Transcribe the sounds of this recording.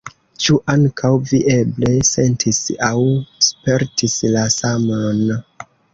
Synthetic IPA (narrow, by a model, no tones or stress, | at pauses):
t͡ʃuʔaŋkʰawviʔe̞ble̞se̞ntʰisawspe̞ɾtʰislasamon